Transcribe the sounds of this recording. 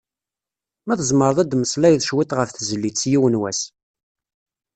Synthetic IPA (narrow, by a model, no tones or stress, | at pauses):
mæθəzˤməɾˤðˤæd̪məslæjðʃwit̪ʁəfθzəlːit͡sːjiwənwæs